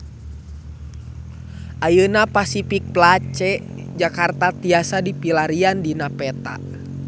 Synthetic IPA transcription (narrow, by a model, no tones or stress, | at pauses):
ʔajənapasifik̚plat͡ʃɛ | d͡ʒakart̪at̪iasadipilaɾiandinapɛt̪a̰